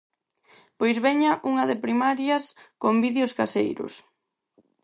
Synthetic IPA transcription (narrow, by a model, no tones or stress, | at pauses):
pojzβɛɲɐʔuŋɐðɪpɾimaɾjɐskombiðjʊskasḛjɾʊ̰s